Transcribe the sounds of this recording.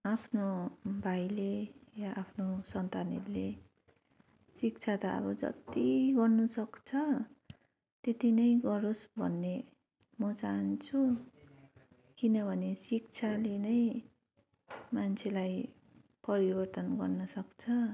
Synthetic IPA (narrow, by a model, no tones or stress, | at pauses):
apʰnobʱajlejaʔapʰnosʌnt̪aneɾle | sik̚t͡sʰat̪aʌ̰bʌd͡zʌ̰t̪iɡʌrnusʌkt͡sʰʌ | t̪et̪inʌjɡʌɾosbʱʌnːe | mʌt͡saɦʌnt͡sʰu | kinʌbʱʌnesik̚t͡sʰalenʌj | mant͡sʰelaj | pʌɾibʌrt̪ʌnɡʌrnʌsʌkt͡sʰʌ